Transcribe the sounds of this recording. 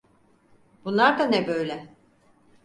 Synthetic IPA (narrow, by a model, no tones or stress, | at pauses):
b̥unlˠaɾd̪anɛbø̞jlʲɛ